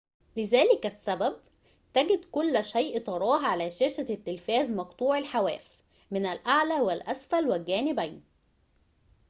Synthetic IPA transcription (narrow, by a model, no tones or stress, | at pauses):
lɪzæːlɪkæsːæbæb̚ | t̪æɡɪd̪kʊlːʃæjʔt̪ˤɑɾˤɑːɦʕalæːʃeːʃæt̪ːɪlfæːzmɑqt̪ˤuːʕelħawæːs | mɪnælʔaʕlæːwɪlʔæsfælwɪlɡæːnɪbæjn